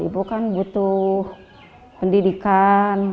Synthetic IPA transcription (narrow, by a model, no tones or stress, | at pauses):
ḭbukanbut̪uh | pəndidikan